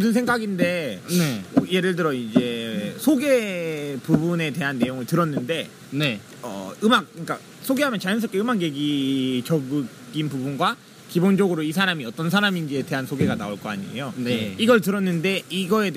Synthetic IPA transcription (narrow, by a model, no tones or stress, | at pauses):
sɯnsʰeŋɡaɡinde̞nʌje̞ɾɯɭtɯɾʌid͡ʑe̞sʰoɡe̞pubune̞te̞ɦanːe̞joŋɯɭtɯɾʌnːɯnde̞ | ne | ʌ̰ɯmak̚ɯɲk͈a | sʰoɡe̞ɦamjʌnt͡ɕajʌnsʰʌɭk͈eɯmakje̞ɡit͡ɕʌbɯ | ɡinpubunɡwa | kibond͡ʑʌɡɯɾoisʰaɾamiʌt͈ʌnsʰaɾaminɡiete̞ɦansʰoɡe̞ɡana̰oɭk͈ʌa̰ɲḭḛjoiɡʌɭtɯɾʌnːɯnde̞iɡʌe̞